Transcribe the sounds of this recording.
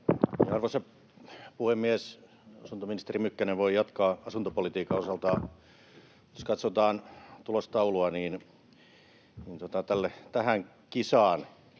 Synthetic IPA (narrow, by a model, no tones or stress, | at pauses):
jɑɑrʋosep | puhemːies | ɑsunt̪ominist̪erimykːæneʋʋoijɑt̪kɑːɑsunt̪opolit̪iːkɑosɑlt̪ɑː | joskɑt̪sot̪ɑːnt̪ulost̪ɑuloɑniːn | niːnt̪uot̪ɑt̪ælːet̪æhæŋ | kisɑːn